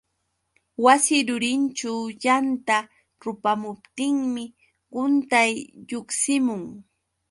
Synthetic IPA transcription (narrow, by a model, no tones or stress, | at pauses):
wasɪɾʊɾɪnt͡ʃawjant̪a | ɾʊpamʊp̚t̪ɪŋmɪ | ɢʊnt̪ajʎʊksɪmʊŋ